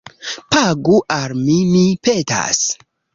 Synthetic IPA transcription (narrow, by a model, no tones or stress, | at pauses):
paɡuʔalmimipeta̰s